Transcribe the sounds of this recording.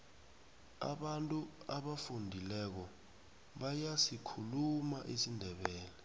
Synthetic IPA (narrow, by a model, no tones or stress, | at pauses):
a̰ɓantʼuaɓafundʱilɛk̬ɔ | ɓajasikʰulumaʔisindʱɛɓɛːlɛ